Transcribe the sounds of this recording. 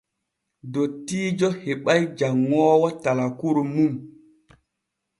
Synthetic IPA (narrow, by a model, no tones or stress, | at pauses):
dotːiːd͡ʒɔheɓajd͡ʒaŋːɔːwatalakuɾumum